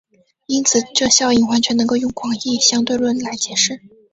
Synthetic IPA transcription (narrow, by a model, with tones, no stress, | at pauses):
i˥nt͡sʰɹ̩˨˩ʈ͡ʂɤ˥˧ɕjɑ˥˩ʊi˨˩ŋxwa˧˥nt͡ɕʰɥɛ˧˥nɤ˧˥ŋko˥˧ʊjʊ˥˩ŋkʰwɑ˨˩ŋi˥˩ɕjɑ˥ŋt̪we˥˧ɪlwə˥˩nla˧˥ɪt͡ɕjɛ˧˩ʂɻ̩˥˩